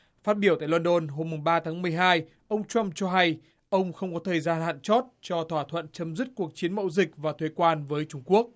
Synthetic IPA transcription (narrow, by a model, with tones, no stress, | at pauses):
faː˦˥t̚ɓi˧˩t̪a̰ː˧˨lwə˧nɗo˧nɦo˧mːʊ˨˩ŋɓaː˧t̪ʰaː˨˦ŋmɨ˨˩əjɦaː˧j | ʔə˧wŋ͡mt͡ɕwa˧mt͡ɕɔ˧ɦa˧j | ʔə˧wŋ͡mxə˧wŋ͡mkɔ˨˦t̪ʰəː˨˩jzaː˧nha̰ː˧˨nt͡ɕɔ˦˥t̚t͡ɕɔ˧t̪ʰwaː˧˩t̪ʰwə̰˧˨nt͡ɕə˨˦mzɨ˦˥t̚ku˨˩ək̚t͡ɕi˨˦ənmə̰˧˥wzï˨˩k̚vaː˨˩t̪ʰwe˨˦kwaː˧nvəː˨˦jt͡ɕʊ˧ŋ͡mku˦˥ək̚